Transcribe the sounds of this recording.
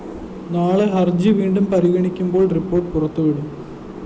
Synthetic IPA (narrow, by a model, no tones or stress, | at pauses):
naːɭeɦɐrd͡ʑɨʋiːɳɖumpɐɾiɣɐɳikʲːumbo̞ːɭripːo̞ːʈpurɐt̪ːuʋiɽum